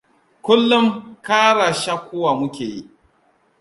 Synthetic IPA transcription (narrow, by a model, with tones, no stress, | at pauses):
kʷʊ˦lːʊ˦ŋkaː˦ɽaː˨ʃaː˦kʷːoː˦wa˨mʊ˦kʲeː˨ji˦ʔ